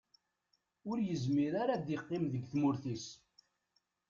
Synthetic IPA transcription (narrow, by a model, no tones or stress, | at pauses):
ʊɾjəzmiɾaɾad̪iqːɪmðəɡθmʊɾθis